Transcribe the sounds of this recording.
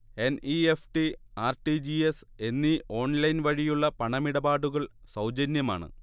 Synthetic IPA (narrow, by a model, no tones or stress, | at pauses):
e̞nʔiefʈiaːrʈid͡ʑies | e̞nːiʔo̞ːɳlɐjnʋɐɻijuɭːɐpɐɳɐmiɽɐbaːɽuɣɐɭsɐwd͡ʑɐnjɐma̰ːɳɨ̰